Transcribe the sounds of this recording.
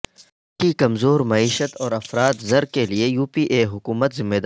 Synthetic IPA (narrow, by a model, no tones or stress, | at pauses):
kikɐmzoːɾmɐiːʃət̪ɔːɾɐfɾaːt̪zɐɾkeliejuːpiːʔeːɦʊkuːmət̪zɪmːed̪